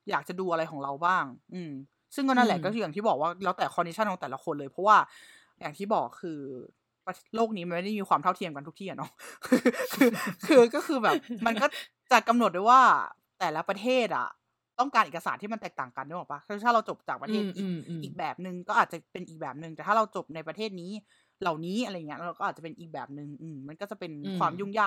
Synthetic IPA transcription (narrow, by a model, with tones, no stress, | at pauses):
jaː˨˩k̚t͡ɕa˨˩duː˧ʔa˧ɾa˧jkʰɔː˩˦ŋɾa˧wbaː˥˩ŋʔɯː˧m | sɯ˥˩ŋkɔː˥˩naː˥˩˨lɛː˨˩kɔ˥˩kɯː˧ja˨˩ŋt̪i˥˩bɔː˨˩k̚waː˥˩lɛː˧˥wt̪ɛː˨˩kʰɔ˧ndi˦˥t͡ɕʰa˥˩nʰɔː˨˩˦t̪ːla˦˥kʰo˧nlɤː˧jpʰɾɔ˦˥waː˥˩ | ja˨˩ŋt̪ʰiː˥˩bɔː˨˩kʰːɯː˧ | pa˧˩loː˥˩k̚niː˦˥ma˧nma˥˩da˥˩jmiː˧xwaː˧t̪ʰa˥˩t̪ʰi˧əmka˧nt̪ʰu˥kt̪ʰiː˥˩˨a˨nɔ˦˥kʰɯː˧kʰɯː˧kʰɯː˧kɔː˥˩xʰɯː˧bɛː˨˩p̚ma˧nkɔ˥˩ | t͡ɕa˨˩ka˧mnu˨˩t̪̚dwa˥˩jwaː˥˩ | t̪ɛː˨˩la˦˥pɾa˧t̪ʰeː˥˩t̪̚ʔa̰˨˩ | t̪ɔ˥˩ŋkaː˧nʔe˨˩ka˧saː˨nt̪ʰiː˥˩ma˧nt̪ɛː˨˩k̚t̪aː˨˩ŋka˧nda˧˥˩ɔː˨˩pa˦˥˧t̪ʰaː˥˩ɾa˧wt͡ɕo˨˩p̚t͡ɕaː˨˩k̚pɾa˧t̪ʰeː˥˩t̪ʔiː˨˩k̚ʔiː˨˩k̚bɛː˨˩p̚nɯ˨˧ŋkɔː˥˩ʔaː˨˩t̪̚t͡ɕa˨˩pe˧nʔiː˨˩k̚bɛː˨˩p̚nɯ˨˧ŋt̪ɛː˨˩t̪ʰa˥˩ɾa˧wt͡ɕo˨˩p̚na˧jpɾa˧t̪ʰeː˥˩t̪̚niː˦˥ | la˨˩wniː˦˥ʔa˧ɾa˧jŋː˩˦˥a˧wkɔː˥˩ʔaː˨˩t͡ɕpe˧nʔiː˨˩k̚bɛː˨˩p̚nɯ˨˧ŋʔɯː˧˩mma˧nkɔː˥˩t͡ɕa˨˩pe˧nkʰwaː˧mjuː˥˩ŋjaː˥˩k̚